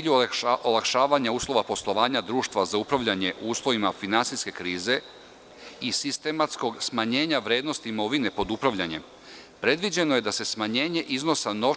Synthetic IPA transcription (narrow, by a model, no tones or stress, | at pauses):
ʎuolˠakʃaːʋaɲauːslˠo̞ʋapo̞slˠo̞ʋaːɲad̪ɾuːʃt̪ʋazaupɾaʋʎaɲe̞ʔuːslˠo̞ʋimafinansiske̞kɾiːze̞ | isist̪e̞mat̪sko̞ɡsmaɲe̞ːɲaʋɾe̞ːd̪no̞st̪iːmo̞ʋine̞po̞d̪upɾaʋʎaɲe̞m | pɾe̞d̪ʋid͡ʑe̞noje̞d̪ase̞smaɲe̞ːɲe̞ʔizno̞sano̞